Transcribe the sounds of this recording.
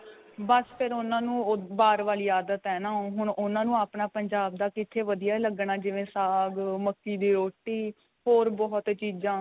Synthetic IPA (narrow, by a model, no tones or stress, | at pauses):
bəspʰɪɾʊnãːnũːbaːɾʋaːliːaːd̪ət̪ɦɛːnãːɦʊɳʊnãːnũːaːpɳaːpəɲd͡ʒaːb̚d̪aːkɪt̪ʰːeːʋəd̪ijaːləɡɳãːd͡ʒɪʋẽːsaːɡməkːiːd̪iːɾoːʈːiː | ɦoːɾbɔːɦt̪t͡ʃiːzãː